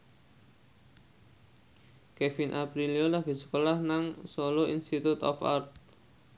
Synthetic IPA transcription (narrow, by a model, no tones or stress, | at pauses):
kefinʔapɾiliolaɡ̥i̤sə̥kolahnaŋsoloinst̪it̪ut̪ɔ̰fa̰rt̪̚